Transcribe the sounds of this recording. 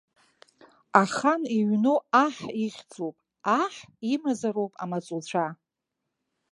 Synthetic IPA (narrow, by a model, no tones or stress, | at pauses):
aχaniɥnoaħiχʲd͡zʼopʼ | aħimazaɾowpʼa̰mat͡sʼult͡ɕʷʰa